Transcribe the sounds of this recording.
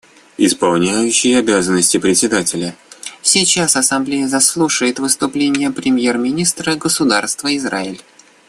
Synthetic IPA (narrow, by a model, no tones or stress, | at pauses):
ɪspɐlˠnʲæjʉɕːɪjɐbʲazənːəsʲtʲɪpɾʲɪtʲsʲɪd̪atʲɪlʲəfsʲit͡ɕasɐsɐmblʲejəzɐslˠuʂəjɪt̪vɨst̪ʊplʲenʲɪjəpɾʲɪmʲjermʲɪnʲist̪ɾəɡəsʊd̪arst̪vəɪzɾaɪlʲ